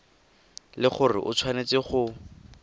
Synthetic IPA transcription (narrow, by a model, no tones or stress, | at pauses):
lɪχʊrɪ̰ʔʊt͡sʰwanet͡sɪχʊ